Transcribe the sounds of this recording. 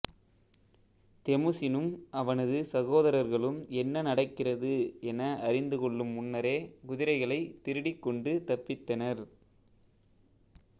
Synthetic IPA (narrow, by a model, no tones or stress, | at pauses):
t̪ɛmɯsɪnɯmʔɐʋɐnɐðɯsɐɣoːðɐɾɐɾɣɐɭɯmɛnːɐnɐɽɐkːɪrɐðɯɛnɐʔɐɾɪnd̪ɯkɔɭːɯmʊnːɐɾeːkʊðɪɾɐɪɣɐɭɐɪt̪ːɪɾɯɽɪkːɔɳɖɯt̪ɐpːɪt̪ːɐnɐɾ